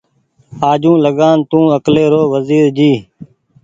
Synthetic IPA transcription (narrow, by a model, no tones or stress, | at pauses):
aːd͡ʒũːləɠaːnt̪ũːəkleːɾoːʋəziːɾd͡ʒiː